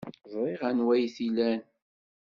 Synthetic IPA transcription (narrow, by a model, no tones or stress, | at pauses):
ðˤɾˤiʁænwæjθilæn